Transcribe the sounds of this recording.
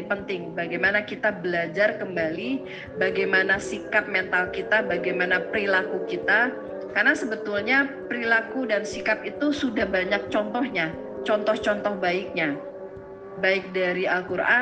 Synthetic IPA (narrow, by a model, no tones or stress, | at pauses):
pənt̪ɪŋbaɡajmanakit̪abəlad͡ʒarkəmbali | baɡajmanasikap̚mɛnt̪alkit̪abaɡajmanapəɾilakukit̪a | karnasəbət̪ulɲapəɾilakudansikapit̪usudahbaɲak̚t͡ʃɔnt̪ɔhɲa | t͡ʃɔnt̪ɔht͡ʃɔnt̪ɔhbaɪk̚ɲa | baɪk̚daɾialkuɾʔa